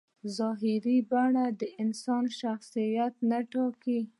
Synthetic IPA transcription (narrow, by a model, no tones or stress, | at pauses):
zɑɦɪɾibaɳad̪əʔɪnsɑnʃaxsijat̪̚naʈɑki